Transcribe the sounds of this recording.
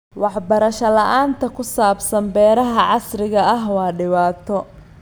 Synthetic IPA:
wɑħbɐɾɐʃɐlɐʔaːnt̪ʰɐkʰʊsaːbsɐmbɛːɾɐɦɐʕɑsrɪɣɐɐɦwɑːɖɪβaːt̪ʰɔ

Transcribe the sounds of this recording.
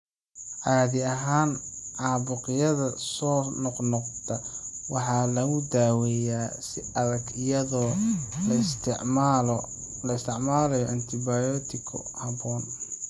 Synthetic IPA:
ʔaːðɪɐɦaːnʕɑːβʊqɪjɐðɐsɔːnɔqnɔqt̪ʰɐwɑħɑːlɐɣʊd̪aːwɛjaːsɪɐðɐɡɪjɐðɔːlɐ | lɐɪst̪ʰɪʕmaːlɛjɔʔɐnt̪ʰɪbajɔːt̪ʰɪkʰɔ̰hɐbɔːn

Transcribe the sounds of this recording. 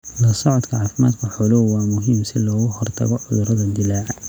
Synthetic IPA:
lɐsɑʕʊd̪kʰɐʕaːfɪma̰ːd̪kʰɐħʊlʊwwɑːmʊɦɪmsɪ̰lɔːɣʊhɔrt̪ʰɐ̰ɣɔʕʊðʊɾɐðɐd̪ɪlaː

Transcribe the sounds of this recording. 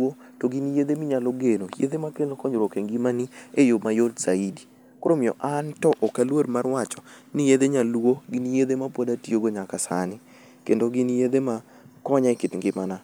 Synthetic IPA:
otoɡinjed̪emɪɲaloɡenojḛd̪emakelokɔɲoɾokeŋɡimaniejomajodsaidi | koɾomɪɔ̰ʔantɔʔɔkalwodmarwat͡ʃɔ̥nijed̪eɲalwoɡɪnjed̪emapodatioɡoɲakasa̰nɪ | kendoɡɪnjed̪ema | kɔɲaɪkɪt̪ŋɡɪmana

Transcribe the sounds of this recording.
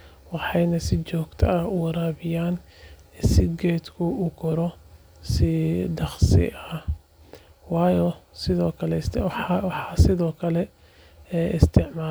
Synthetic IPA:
wɑħɑjnɐsɪt͡ʃɔːɡt̪ʰɐʔɐʊwɑɾaːβɪjaːn | sɪɡɛːd̪kʰʊuɡʰɔɾɔ | sɪd̪ɑχsɪ̰ʔɐh | wɑːjɔsɪðɔːkʰɐlɛswɑħɑːsɪðɔːkʰɐlɛ | ʔɪst̪ʰɪʕmaː

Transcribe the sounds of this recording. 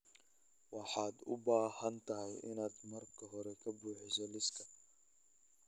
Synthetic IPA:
wɑħɑːd̪ʊbaːhɐnt̪ʰɐɦɛjʔɪ̰naːd̪mɐrkʰɐɦɔɾɛkʰɐbuːħɪsɔlɪskʰɐ

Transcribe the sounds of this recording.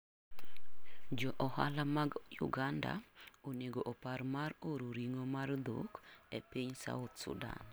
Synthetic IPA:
d͡ʒɔʔɔha̰lamaɡjʊ̰ɡanda̰oneɡoʔɔpaɾmaɾoɾoɾiŋomard̪o̰kɛpiɲsa̰ot̪sṵda̰n

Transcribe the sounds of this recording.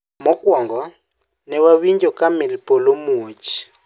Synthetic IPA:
mɔkʼwɔŋɡɔ | nɛwaβiɲd͡ʒɔkʼamɛlipʼɔlomuːt͡ʃʰi̥

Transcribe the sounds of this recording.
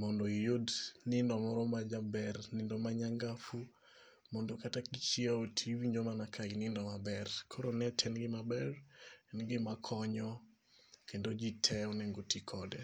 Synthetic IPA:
mɔndoijodnɪndɔmɔɾɔmad͡ʒabɛrnɪndɔmaɲaŋɡafu | mɔndokatakit͡ʃiaotʰiwiɲd͡ʒomanakʰaɡinɪndɔmabɛrkʰoɾonɛtʰɛnɡɪmabɛrɛnɡɪmakʰɔɲɔ | kendod͡ʒitʰɛɔnɛŋɡotikʰɔdɛ

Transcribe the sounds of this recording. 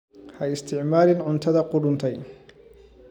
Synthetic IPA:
hɐɪst̪ʰɪʕmaːɾɪnʕʊnt̪ʰɐðɐqʊɽʊnt̪ʰɛj

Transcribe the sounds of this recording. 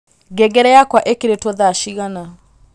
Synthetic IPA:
ɡɛɡɛɾɛjakwaʔekeɾetwɔðaʃiɣana

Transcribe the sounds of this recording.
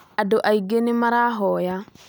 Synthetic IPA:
adoʔajɡenimaɾaːɦɔja

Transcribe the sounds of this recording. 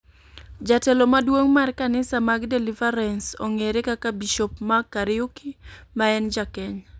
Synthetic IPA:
d͡ʒatɛlomadwoŋmarkanɪsamaɡdɛlɪvaɾɛnso̰ŋeɾekakabiʃopmakaɾɪukimaɛnd͡ʒakɛɲ

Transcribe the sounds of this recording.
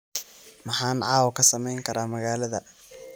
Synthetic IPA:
mɑħɑːnʕɑːwɔkʰɐsɐmɛjŋkʰɐɾaːmɐɣaːlɐðɐ

